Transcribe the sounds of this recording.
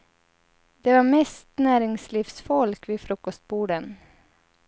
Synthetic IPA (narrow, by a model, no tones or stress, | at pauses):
d̪̥eːʋɑːmɛːst̪næːɾɪŋsliːfsfɔlkʋiːfɾʊkɔst̪̚buːɖən